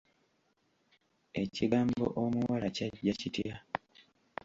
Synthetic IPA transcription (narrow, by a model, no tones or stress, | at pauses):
e̞ciɡaːmbo̞̰ʔomuwalacaɟːacitja